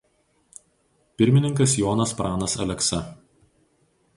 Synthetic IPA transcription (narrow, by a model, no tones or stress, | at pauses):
pʲɪɾʲmʲɪnʲɪŋkɐsjɔːnɐspɾʔɑːnɐsɐ̰lʲɛksɐ